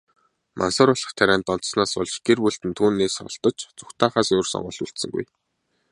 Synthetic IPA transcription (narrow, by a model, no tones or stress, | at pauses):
mʔa̰nsɔːɾʊːɮə̆χt̪ʰæɾʲæːnt̪ɔnt̪snaːspʊɮt͡ɕɡ̥erpuɬt̪ɘ̆nt̪ʰuːnːeːsɔ̰ɮt̪ɞ̆t͡ɕt͡sʊ̥xt̪aːχaːsoːrsɔ̰ɴɢɞ̆ɮuɬt̪sɘ̆ŋɡṵj